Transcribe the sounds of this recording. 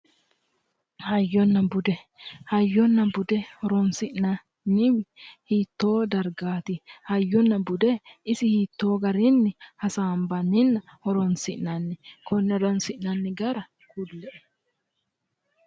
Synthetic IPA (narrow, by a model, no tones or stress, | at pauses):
hɐjːɔnːɐbʊd̪ɛ | hɐjːɔnːɐbʊd̪ɛhɔɾɔnsɪʔnɐ | nːɪwɪhit̪ːoːd̪ɐɾɡaːt̪ɪhɐjːɔnːɐbʊd̪ɛɪsɪhit̪ːoːɡɐɾɪnːɪhɐsaːmbɐnːɪnːɐhɔɾɔnsɪʔnɐnːɪkʰɔnːɛd̪ɔnsɪʔnɐnːɪɡɐɾɐ | kʊlːɛʔɛ